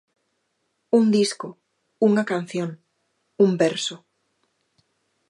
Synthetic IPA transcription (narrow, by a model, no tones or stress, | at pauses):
und̪isko | uŋakan̟θjõŋ | umbɛɾso